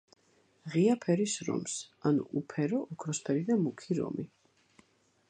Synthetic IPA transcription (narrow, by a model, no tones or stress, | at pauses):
ʁiapʰɛɾisɾɔ̰msanṵʔupʰɛɾɔʔɔkʰɾɔspʰɛɾid̪amukʰiɾɔ̰mi